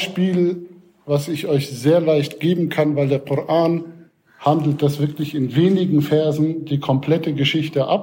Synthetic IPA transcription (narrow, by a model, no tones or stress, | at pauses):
ʃpiːl | vasɪçʔɔʏçz̥eːɐlaɪçtɡ̥eːbm̩kʰanvaɪldeːɐkʰʊʁʔaːn | handl̩t̚d̥asv̥ɪɐklɪçɪnveːnɪɡŋ̩fɛɐzn̩diːkʰɔmpʰl̥ɛtəɡəʃɪçtəʔa̰p